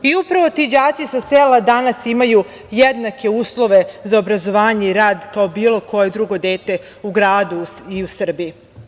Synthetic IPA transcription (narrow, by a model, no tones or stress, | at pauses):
iupɾaʋo̞t̪id͡ʑaːt̪sisaseːlad̪anasimaju | jed̪nake̞uːslˠo̞ʋe̞zaobɾazo̞ʋaːɲeiɾaːd̪kao̞biːlˠo̞ko̞jed̪ɾuɡo̞d̪eːt̪e̞ | uɡɾaːd̪uiusr̩bii